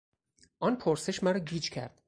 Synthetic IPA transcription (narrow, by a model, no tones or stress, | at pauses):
ʔɒːnpʰoɾse̞ʃmæɾɒɟiːd͡ʒcʰæ̰ɾd̪̥